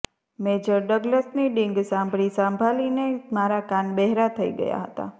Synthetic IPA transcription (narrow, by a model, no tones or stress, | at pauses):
med͡ʒəɾɖəɡləsniɖĩŋɡsãmbɽisãmbʱalinemaɾakanbɛɦɾat̪ʰəḭɡə̰ja̰ɦə̰t̪a̰